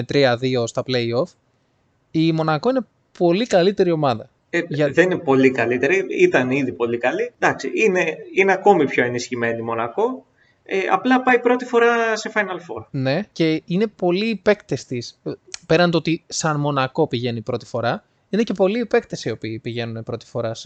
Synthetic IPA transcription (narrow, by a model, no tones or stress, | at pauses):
et̪ɾiɐðio̞st̪ɐple̞io̞f | imo̞nɐko̞ine̞ | po̞likɐlit̪e̞ɾio̞mɐðɐ | eʝɐðeninepo̞likɐlit̪e̞ɾiit̪ɐniðipo̞likɐlid̪ɐksiʔine̞ineɐko̞mipço̞e̞nisçime̞nimo̞nɐko̞ | eɐ̰plɐpɐipɾo̞t̪ifo̞ɾɐse̞fɐjnɐlfo̞ɾne̞ce̞ine̞po̞liːpe̞kt̪est̪ispeɾɐnd̪oo̞t̪isɐnmo̞nɐko̞piʝe̞nipɾo̞t̪i̥fo̞ɾɐ | inece̞po̞liːpe̞kt̪esio̞piːpiʝe̞nunepɾo̞t̪i̥fo̞ɾɐs